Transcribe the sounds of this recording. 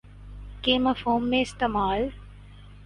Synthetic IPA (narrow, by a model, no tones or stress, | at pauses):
keːmɐfoːmːẽɪst̪eːmaːl